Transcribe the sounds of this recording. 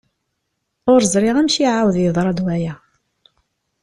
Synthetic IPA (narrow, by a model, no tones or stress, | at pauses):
ʊɾzˤɾˤɪʁæmʃiʕawðjəðˤɾˤɑd̪wæjæ